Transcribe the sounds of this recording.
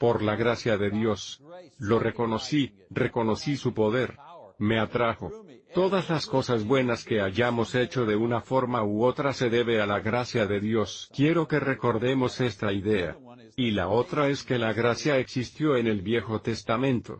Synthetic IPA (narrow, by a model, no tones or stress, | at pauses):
po̞ɾlaɣɾasjaðe̞ðjo̞slo̞re̞ko̞no̞si | re̞ko̞no̞sisupo̞ð̞e̞ɾme̞at̪ɾaxo̞t̪o̞ðazlasko̞sazβwe̞naske̞aʝamo̞se̞t͡ʃo̞ðe̞unafo̞ɾmauot̪ɾase̞ðe̞βe̞alaɣɾasjaðe̞ðjo̞skje̞ɾo̞ke̞re̞ko̞ɾðe̞mo̞se̞st̪aiðe̞a̰ | ila̰o̞t̪ɾae̞ske̞laɣɾasjae̞ksist̪jo̞e̞ne̞lβje̞xo̞t̪e̞st̪amẽ̞nt̪o̞̰